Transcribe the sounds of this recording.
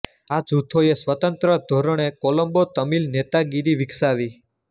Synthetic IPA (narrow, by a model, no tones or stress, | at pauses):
ad͡ʒut̪ʰoesʋət̪ənt̪ɾəd̪ʱoɾəɽ̃ekoləmbot̪əmilnet̪aɡiɾiʋiksaʋi